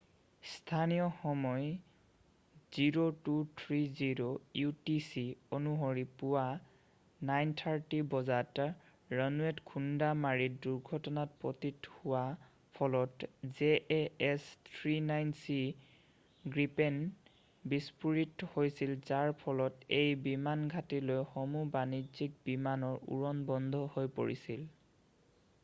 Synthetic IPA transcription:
stʰanijɔxɔmɔj | z̥iɹotutʰɹiziɹojutisionuɦoɹipʊwa | najntʰaɹtibɔzat | ɹənuɛtkʰundamaɹiduɹɡʱɔtɔnat̚pɹɔtithʊwa | pʰɔlɔtzeʔɛstʰɹinajnsi | ɡɹipɛn | bispuɹithojsilzaɹpʰɔlɔtejbimanɡʱatilojxomubanizik̚bimanɔɹṵɹɔnbɔndʱɔhojpo̰ɹḭsil

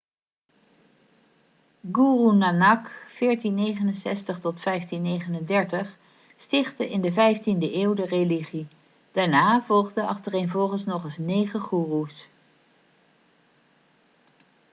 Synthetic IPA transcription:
ɡuːrunanɑkfɪːɹtinːejχənənsɛ̰stəχtɔtfɛjftinːejχənəndɛɹtəχ | stɪχtəʔɪndəvɛjftindəʔeːwdəreliχi | d̥aːɹnaːvɔlˠχdəɑ̰χtərejnvɔlˠχənsnɔχəsnejχəχuːrus

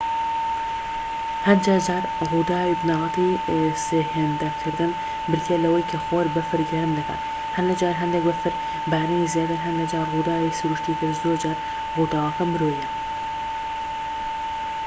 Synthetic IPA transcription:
hɐnd͡ʒaːd͡ʒaːɾ | ruːd̪aːwibɨnɑːlɑt̪iːseːheːnd̪ɐkʰɨɾd̪ɨn | bɨɾt̪ʰjelɐwɐjkʰɐxoːɾbɐfɨɾɡɐɾɨmd̪ɨka̰t̪ | hɐnlɐd͡ʒaːɾɦɐnd̪ek̚bɐfɨɾ | baːɾinizeːt̪ɨɾɦɐnlɐd͡ʒaːɾruːd̪aːwisʊɾuːʃt̪iːt̪ʰɨɾzoːɾd͡ʒaːɾ | ruːd̪aːwɐkɐmɨɾoːjɛ

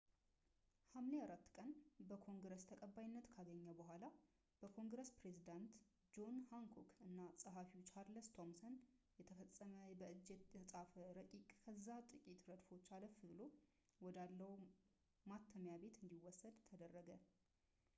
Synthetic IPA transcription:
hamleaɾat̪ːkʼənbəkʰo̞ŋɡɾəst̪ʰəkʼəbːajɪnːət̪kʰaɡəɲːəbəɦʷala | b̥əkʰo̞ŋɡɾəspɾezid̪ant̪ | d͡ʒo̞nhaŋkʰokɨnːasʼəɦafit͡ʃʰaɾləst̪ʰo̞msənjɛt̪ʰəfəsʼːəməbəʔɨd͡ʒːet̪jʰəsʼafəɾəkʼikʼkʰəzːat̪ʼɨkʼit̪ɾəd̪fo̞t͡ʃːaləfɨβɨlo̞ | wɔd̪alːəw | mat̪ʰːəmjabe̞t̪ɨnd̪iwɔsːəd̪t̪ʰəd̪ərːəɡə

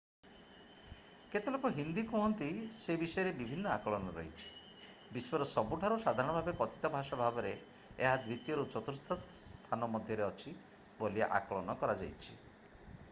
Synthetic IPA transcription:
ket̪elɔkɔɦind̪ikɔɦɔnt̪isebisɔjɔɾebibʱinːɔakɔɭɔnɔɾɔ̰ɦjt͡ʃʰi̥ | biswɔɾɔsɔbuʈʰaɾusad̪ʱaɾɽ̃ɔbʱabekɔt̪ʰi̥t̪ɔbʱaʃabʱabɔɾe | eɦad̪wit̪jɔɾut͡ʃɔt̪uɾst̪ʰɔst̪ʰanɔmɔd̪ʱjɔɾeɔt͡ʃʰi | bolia̰ʔa̰kɔɭɔnɔkɔɾad͡ʒa̰jt͡ʃʰi̥

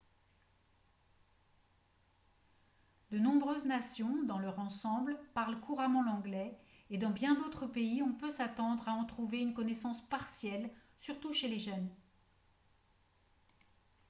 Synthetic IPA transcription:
d̪ənɔ̃bʁøznasjɔ̃d̪ɑ̃lœʁɑ̃sɑ̃blpaʁlkʰuʁamɑ̃lɑ̃ɡlɛed̪ɑ̃bjɛ̃d̪ot̪χəpeiɔ̃pøsat̪ɑ̃d̪ʁaɑ̃t̪χuveynkɔnɛsɑ̃spaʁsjɛl | syʁt̪uʃeleʒœn

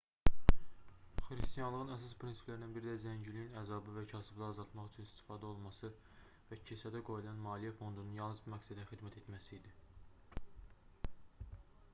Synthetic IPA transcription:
χɾist̪ijɑnlˠɯʁɯnæsɑspʰɾinsi̥plæɾid̪ænbiɾid̪æzæɲɟilijinæzɑbɯvæcʰæsiblˠɑɾɑzɑlˠt̪mɑχyt͡ʃʰynist̪i̥fɑːd̪æo̞lˠmɑsɯ | væcʰisæd̪æɡo̞julˠɑnmɑːlijæfo̞nd̪ununjɑlˠnɯzbumækʲsæd̪æχxid̪mæt̪ʰet̪mæsiːd̪i

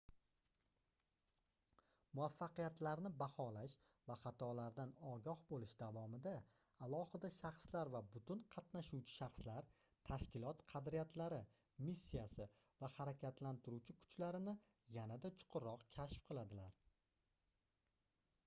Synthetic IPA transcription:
mʊafːɑqɨjat̪ʰlaɾnɪbahɒlaʃ | vaχɑt̪ʰɒlaɾd̪anɒɡʲɒhbolɪʃd̪avɒmɪd̪aː | lˠɒhɪd̪aʃɑχslaɾvabʊt̪ʊnqʰɑt̪naʃuwt͡ʃʰɪ̥ʃɑχslaɾ | t̪ʰaʃkʲɪlɒt̪qʰɑd̪ɾijat̪ʰlaɾɪ | misːijasɪ | vahaɾakʲat̪lant̪ʰɪɾuwt͡ʃʰɪkʰʊ̥t͡ʃlaɾɪnɪ | janad̪at͡ʃʰʊ̥qʰʊɾɒqkʲʰaʃfqʰɨlˠad̪ɪlaɾ

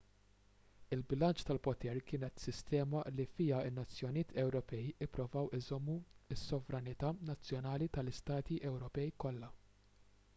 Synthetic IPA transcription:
ɪlbɪlɐnt͡ʃt̪ɐlpɔt̪ɛɾkɪːnɛt̪sɪst̪ɛːmɐlifɪjɐɪnːɐt͡sːjɔnijɪːt̪ʰɛwɾɔpɛjɪpːɾʊvɐwɪzɔmːuɪsːɔvɾɐnɪt̪ɐːnɐt͡sːjɔnɐːlit̪ɐlɪst̪ɐːt̪iʔɛwɾɔpɛjkɔlːɐ

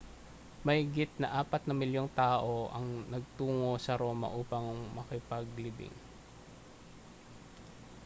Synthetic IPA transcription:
mɐhɪɡɪt̪̚nɐʔaːpɐt̪̚nɐmɪljo̞ŋt̪aːʔo̞ʔɐ̰ŋnɐɡ̚t̪uːŋo̞sɐɾo̞ːmɐ̰ʔuːpɐŋmɐkɪpɐɡ̚lɪbɪ̰ŋ

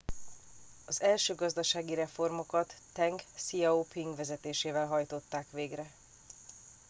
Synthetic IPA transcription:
ɒzɛlʃøːɡɒzd̪ɒʃaːɡiɾɛfo̞rmo̞kɒt̪ːɛŋɡsiɛopʰiŋɡʋɛzɛt̪eːʃeːvɛlɦɒjt̪o̞t̪ːaːkʋeːɡrɛ

